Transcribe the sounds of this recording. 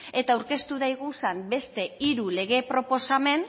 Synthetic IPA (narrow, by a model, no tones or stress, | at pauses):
e̞t̪awɾke̞st̪uðajɣusambe̞st̪e̞iɾule̞ɣ̞e̞pɾo̞po̞same̞n